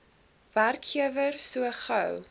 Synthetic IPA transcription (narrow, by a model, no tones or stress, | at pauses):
værkχiəvərsuəχɐw